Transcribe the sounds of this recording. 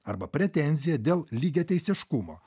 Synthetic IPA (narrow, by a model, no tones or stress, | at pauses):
ɐɾbɐpʲɾʲɛt̪ʲɛnʲzʲɪjɛd̪ʲeːlˠlʲiːɡʲɛːt̪ʲɛɪsʲɪʃkʊmo̰ː